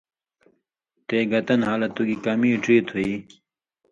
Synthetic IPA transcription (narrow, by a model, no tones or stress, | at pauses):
t̪eːɡɐt̪ɐnhaːlɐt̪uɡikɐmiːʈiːt̪ʰui